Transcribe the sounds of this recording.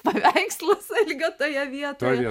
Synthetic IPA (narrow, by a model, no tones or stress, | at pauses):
pɐʋʲɛɪkslˠosɐlʲɡɐt̪oːjɛʋʲiɛt̪oi